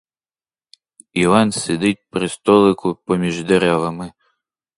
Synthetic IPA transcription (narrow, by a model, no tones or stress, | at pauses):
iʋansʲed̪ɪt̚ʲpɾɪst̪ɔlˠɪkʊpɔmʲiʒd̪ɛɾavɐmɪ